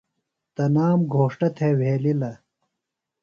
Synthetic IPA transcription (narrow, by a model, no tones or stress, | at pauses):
t̪ɐnaːmɡʱoːʂʈɐt̪ʰeweːlilɐ